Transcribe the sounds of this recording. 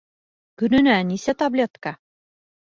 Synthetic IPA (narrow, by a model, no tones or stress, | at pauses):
kɵ̆nɘ̆nænisæt̪ɐblʲet̪ka